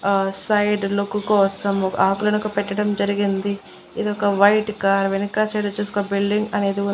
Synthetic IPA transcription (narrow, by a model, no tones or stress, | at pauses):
sɐjɖlokːukɔːsɐmaːkulɐnukupɛʈːɐɽɐmd͡ʒɐɾiɡind̪i | id̪iɔkɐʋɐjʈkaːɾʋenikaːsɐjɖot͡ʃuːskɐbilɖiŋɡɐne̞ːd̪iu